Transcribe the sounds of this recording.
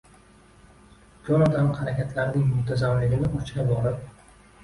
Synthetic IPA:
kʲʰonɒd̪amhaɾakʲat̪ʰlaɾnɪŋmʊt̪ʰazamlɪɡʲɪnɪʔʊt͡ʃɾʲabɒɾɪp̚

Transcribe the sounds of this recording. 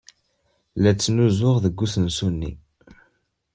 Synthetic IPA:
læt͡sːnuzʊʁðəɡːusənsunːḭ

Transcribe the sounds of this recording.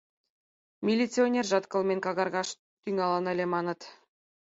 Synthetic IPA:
mʲilʲit͡sʲionʲerʐɑt̪kɤ̆lˠmʲenʲkɑɣɑrɣɑʃ | t̪yŋɑlˠɤ̆nɘ̆lʲemɑnɤ̆t̪

